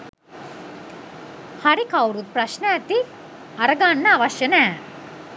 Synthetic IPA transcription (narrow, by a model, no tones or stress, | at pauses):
haɾikawɾut̪̚prɐʃnəːt̪i | ɐɾəɡanːəaʋɐʃjənæː